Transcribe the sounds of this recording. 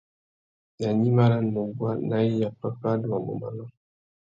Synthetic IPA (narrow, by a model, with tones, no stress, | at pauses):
na˨ɲi˦ma˦ɾa˦no˨ɡwa˦na˦i˦ja˨pa˦fa˦du˨wa˨mo̰˨ma̰˨lɔ˦